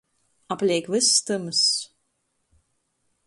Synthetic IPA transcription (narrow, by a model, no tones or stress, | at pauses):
aplʲiɛkvɨsst̪ɨmɨs